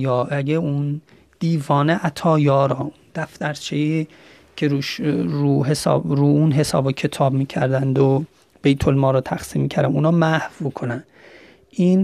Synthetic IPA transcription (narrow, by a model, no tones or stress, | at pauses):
jɒːæɡeun | d̪̥iːvɒːneʔæt̪ʰɒːjɒːɾɒːund̪̥æft̪æɾt͡ʃʰei | kʰeɾuʃuɦesːbɾuːunɦe̞sɒ̰ːbecʰe̞t̪ʰɒːbmiːcʰæɾd̪ænd̪o | b̥ejt̪ʰolmɒːɾɔt̪ʰæxsiːmːiːcʰæɾd̪æmuːnɒːmæhvmukʰonæn | ʔiːn